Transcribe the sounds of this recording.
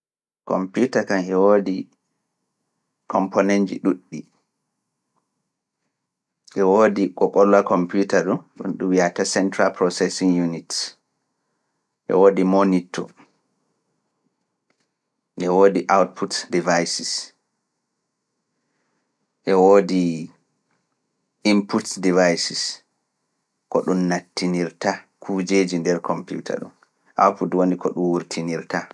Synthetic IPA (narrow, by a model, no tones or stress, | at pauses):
kɔ̰mpjutakamʔɛwoːdi | kʰɔmpʰonɛnd͡ʒḭɗuɗːi | ʔɛwoːdikɔɓɔlːakʰɔmputaɗɔnɗṵnɗuwiatasɛntɾalpɾɔsɛsiŋjunit | ʔɛ̰woːdimonitʰɔ̰ | ʔɛwodiʔawt̚pʰutdivajsis | ʔɛwoːdi | imputdivajsis | kɔɗunːatːiniɾta | kʰud͡ʒeːd͡ʒindɛɾkʰɔmpjṵtʰa̰ɗɔ̰n | ʔa̰wtputwonikʰɔɗunwuɾtʰiniɾta